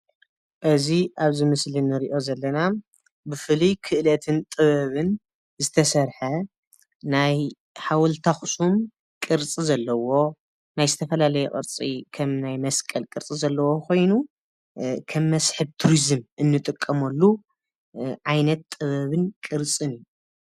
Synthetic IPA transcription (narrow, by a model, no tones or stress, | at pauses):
ʔɨziʔaβzɨmɨslinɨɾiʔo̞zɐlːɐna | bɨfɨlikʰɨʔlɐt̪ʰɨnt̪ʼɨβɐβɨn | zɨt̪ʰɐsɐɾħɐ | naj | ħawɔlt̪ʰaxsʼum | kʼɨɾt͡sʼizɐlːɐwo̞ | najzɨt̪ʰɐfɐlalɐjɛkʼɨ̰ɾt͡sʼikʰɐmnajmɐskʼɐlkʼɨɾt͡sʼizɐlːɐwokʰo̞jnu | kʰɐmːɐsħɨβt̪ʰuɾizɨmʔɨnːɨt̪ʼɨkʼːɐmɐlːu | ʕajnɐt̪ʼɨβɐβɨnkʼɨɾt͡sʼɨnɨjːu